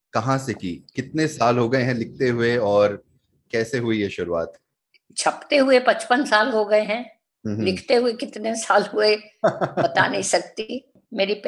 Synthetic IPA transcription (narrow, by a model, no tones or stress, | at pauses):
kɐɦãsekikɪt̪nesaːlɦoɡɐeɦɛ̃lɪk̚ʰt̪eɦʊeɔːɾ | kɛːseɦʊijeʃʊɾua̰ːt̪ | t͡ʃʰɐpt̪eɦʊepɐ̃t͡ʃpənsaːlɦoɡɐeɦɛ̃ː | lɪkʰt̪eɦʊekɪt̪nesaːlɦʊebɐt̪a̰nɐɦĩsɐk̚t̪i | meːɾip